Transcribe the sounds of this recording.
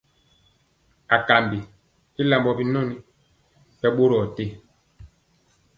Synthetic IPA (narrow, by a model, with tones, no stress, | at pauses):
a˨ka˨mbi˨ | i˦la˨mbɔ˨bi˦no˦˨ni˦ | bɛ˦ɓo˦ɾɔ˨te˦˨